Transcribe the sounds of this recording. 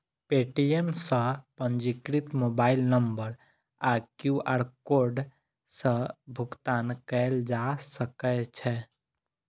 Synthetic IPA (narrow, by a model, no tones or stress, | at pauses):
peʈiemsə̃pə̃nd͡ʒikɾit̪mobaɪlnəmbəɾ | akjuʔaɾkoɾɖ | sə̃bʱʊɡt̪ankɛld͡ʒasəkɛt͡ʃʰɛ